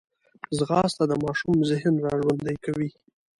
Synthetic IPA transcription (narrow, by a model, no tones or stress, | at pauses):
zɣɑst̪ad̪əmɑʃumzɪɦnɾɑʒwand̪əjkawi